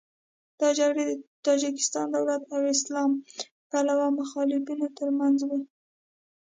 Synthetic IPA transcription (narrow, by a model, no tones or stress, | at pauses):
d̪̥ɑd͡ʒaɡɽet̪ɑd͡ʒɪkɪ̥st̪ɑnd̪awlat̪awɪslɑm | palawamʊxɑlɪfinot̪əɾmanzwu